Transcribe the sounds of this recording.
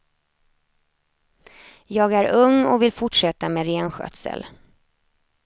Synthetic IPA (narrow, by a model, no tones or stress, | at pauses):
jɑːɡæɾɵŋːɔvɪlfʊʈʂɛt̪ːameːɾeːnɧœ̰t̪sə̰l